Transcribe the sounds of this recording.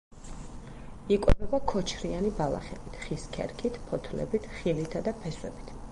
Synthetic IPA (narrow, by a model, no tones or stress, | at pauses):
ikʼwɛbɛbakʰɔt͡ʃʰɾianibalˠa̰χɛbit̪ʰχiskʰɛ̰ɾkʰit̪ʰpʰɔt̪ʰlɛ̰bit̪ʰχilit̪ʰad̪apʰɛswɛ̰bit̪ʰ